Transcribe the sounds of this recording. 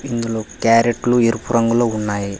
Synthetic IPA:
ind̪uloːkaːɾeʈlueɾupuɾɐŋɡulo̞ːunːaːji

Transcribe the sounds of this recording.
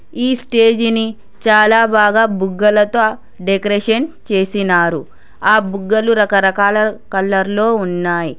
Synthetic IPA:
iːsʈe̞ːd͡ʒini | t͡ʃaːlaːbaːɡaːbuɡːɐlɐt̪o | ɖekɾeʃɐnt͡ʃe̞ːsinaːɾu | aːbuɡːɐluɾɐkɐɾɐkaːlɐkɐlːɐɾlo̞ːunːaːji

